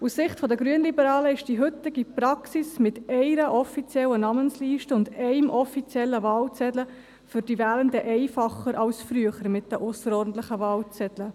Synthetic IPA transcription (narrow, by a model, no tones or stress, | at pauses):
ussɪχtfɔdəɡɾyənlibəɾɑːləɪʃd̥iɦʏt̪ɪɡipɾɑksismɪtɛɪɾəʔɔfit͡sjɛlːənɑmənsliːʃtəʊndɛɪmʔɔfit͡sjɛlːəvɑːlt͡sɛdlə | fʏɾdivɛːlənd̪əʔɛɪfɑχəɾɑwsfɾyəχəɾmɪt̚d̥əʔʊsəɾɔːɾdn̩t̪ləχəvɑːlt͡sɛd̪lə